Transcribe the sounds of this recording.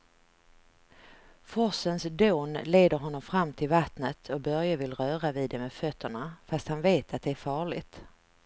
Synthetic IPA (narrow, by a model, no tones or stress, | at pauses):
fɔsənsd̪oːnleːd̪əɾɦɔnːɔmfɾamːt̪ʰɪlvat̪nət̪ʰɔbœɾjavɪlɾœːɾavɪːd̪ɛmeːd̪fœt̪ʰːəɳafast̪hanveːt̪ʰat̪̚d̪ɛæɾfɑːɭɪɡt̪